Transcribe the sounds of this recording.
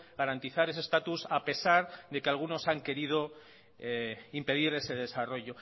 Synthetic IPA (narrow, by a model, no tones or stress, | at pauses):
ɣaɾant̪iθaɾe̞sest̪at̪usape̞saɾðe̞ke̞alɣ̞uno̞saŋke̞ɾið̞o̞ | eimpe̞ðiɾe̞se̞ðesaro̞ʝo̞